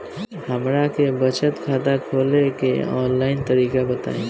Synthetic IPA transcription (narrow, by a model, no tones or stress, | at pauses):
həmɾakebət͡ʃət̪kʰaːd̪akʰoːlekḛɔ̰ːnlaːɪnt̪əɾiːkabət̪a̰ːẽ